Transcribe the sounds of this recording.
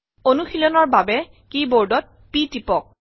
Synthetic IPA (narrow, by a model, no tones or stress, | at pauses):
onuxilɔnɔɹbabɛ | kiboɹdɔt̚ | pitipɔk̚